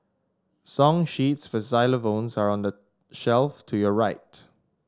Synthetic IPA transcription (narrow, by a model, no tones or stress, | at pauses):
sɔ̃ŋʃitsfɔzaɪləvõnsaɹɔ̃ndə | ʃɛlftʰujɔɹaɪt